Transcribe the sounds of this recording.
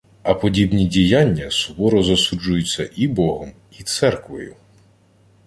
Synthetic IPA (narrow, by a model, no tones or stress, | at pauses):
ɐpɔdʲibnʲidʲijanʲːɐsʊbɔɾɔzɐsud͡ʒʊjʊt͡sʲːɐʔibɔɦɔm | it̪sɛrkʋɔ̰jʊ